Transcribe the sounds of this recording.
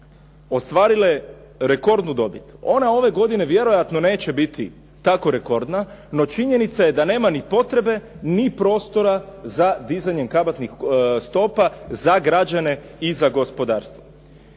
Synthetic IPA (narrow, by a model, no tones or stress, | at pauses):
o̞st̪ʋaːɾilae | ɾe̞ko̞ɾd̪nud̪o̞bit̪uo̞nao̞ʋe̞ɡo̞d̪ine̞ʋje̞ɾo̞jat̪no̞ne̞ːt͡ɕe̞bit̪i | t̪ako̞ɾe̞ko̞ɾd̪nano̞t͡ʃiɲe̞nit̪saje̞d̪ane̞ːmanipo̞t̪ɾe̞be̞nipɾo̞ːst̪o̞ɾazad̪izaɲe̞ŋkabat̪nixst̪o̞pazaɡɾad͡ʒane̞izaɡo̞spo̞d̪aːɾst̪ʋo